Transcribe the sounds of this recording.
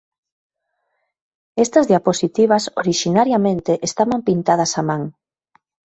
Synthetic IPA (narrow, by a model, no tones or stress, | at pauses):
est̪ɐzðjaposit̪iβ̞ɐsoɾiʃinaɾjamẽnt̪eʔest̪aβampint̪að̞ɐsamaŋ